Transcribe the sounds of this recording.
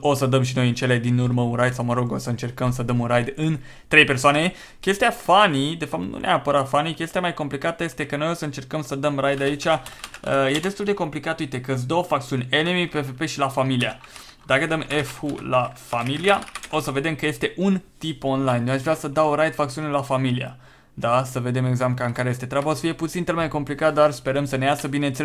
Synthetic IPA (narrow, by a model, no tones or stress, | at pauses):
o̞səd̪əmʃ̬ino̞jɨnt͡ʃe̞led̪inurməunɾajd̪sawməɾo̞ɡo̞səɨnt͡ʃe̞rkəmsəd̪əmunɾajd̪ɨn | t̪ɾe̞jpe̞rsoane̞ | kʲe̞st̪ijafanid̪e̞fap̚t̪nṵnʔeapəɾat̪fanikʲe̞st̪iamajko̞mplikat̪əje̞st̪e̞kəno̞jo̞səɨnt͡ʃe̞rkəmsəd̪əmrajd̪ait͡ʃʲaəje̞d̪e̞st̪uld̪e̞ko̞mplikat̪əujt̪e̞kəs̬d̪o̞wəfak̚t̪siunʲe̞nemipefepe̞ʃilafamilia | d̪akəd̪əmefxṵlafamiliao̞səve̞d̪e̞mkəje̞st̪e̞ʔunt̪ipo̞nlajnj̪oaʃvɾʲasəd̪awɾajd̪fak̚t̪siunelafamilia̰ | d̪asəve̞d̪e̞me̞ɡzampkaɨŋkaɾeje̞st̪et̪ɾʲabosə̥fije̞put̪sint͡ʃ̪elmajko̞mplikat̪̚d̪arspe̞ɾəmsəne̞jasəbine̞nt̪se